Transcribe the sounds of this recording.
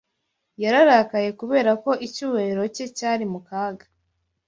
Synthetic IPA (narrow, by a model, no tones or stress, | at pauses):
jaɾaɾaːkaje̞kuβe̞ːɾako̞ʔicuːwe̞ɾo̞ce̞caːɾimukaːɡḁ